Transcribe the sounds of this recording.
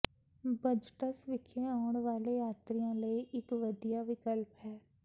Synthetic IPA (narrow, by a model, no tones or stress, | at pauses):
bəd͡ʒʈəsʋɪkʰːẽaʊɳʋaːlejaːt̪ɾijãːləiʔɪkʋəd̪ijaːʋɪkəlpɦɛː